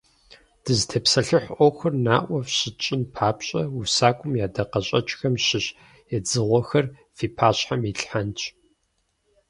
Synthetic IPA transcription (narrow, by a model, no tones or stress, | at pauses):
d̥ɨztʰeːpsɐɬɨħʷʔʷɔwxɐrnaːʔʷɔfɕɪt͡ʃʼɪnpʰaːpɕʼɐusaːkʷʼʊmjaːdɐqɐɕʼɐt͡ʃʼxɐmɕɪɕ | jɛd͡zɨʁʷɔxɐr | fiːpʰaːɕħamiɬʼħant͡ʃʼ